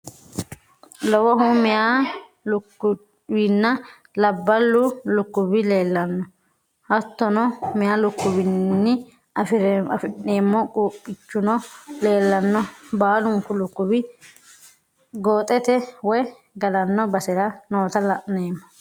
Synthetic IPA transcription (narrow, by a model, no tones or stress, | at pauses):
lɔwɔɦʊmɪja | lʊkːʊ | bɪnːɐ | lɐbːɐlːʊlʊkːʊbɪle̞ːlːɐnːɔ | hɐt̪ːɔnɔmɪjaːlʊkːʊbɪnːɪ | ɐfɪɾɐfɪʔeːmːɔkʼuːpʼːɪt͡ʃːʊnɔle̞ːlːɐnːɔbaːlʊŋkʊlʊkːʊbɪ | ɡoːt̪ʼɛt̪ɛwɔj | ɡɐlɐnːɔbɐsɛɾɐnoːt̪ɐlɐʔneːmːɔ̥